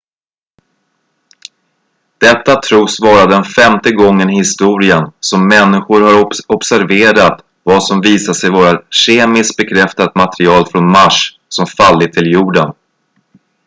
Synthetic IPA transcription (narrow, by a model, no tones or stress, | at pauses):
d̪̥ɛt̪ːat̪ʰɾuːsvɑːɾad̪ɛnfɛmt̪əɡɔŋːənɪhɪst̪uːɾɪənsɔmːɛnːɪɧʊɾhaɾɔbsæɾveːɾat̪ | vasɔmviːsaʂɛjvoːɾaɕeːmɪsk̚bɛkʰɾɛft̪at̪mat̪ɾɪɑːlfɾɔnmaʂ | sɔmfalːɪt̪ʰɪljuːɖən